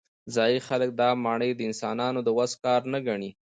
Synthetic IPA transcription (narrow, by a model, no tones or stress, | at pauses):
zɑjixalək̚d̪ɑmɑɳəjd̪əɪnsɑnɑnod̪əwazkɑɾnaɡaɳi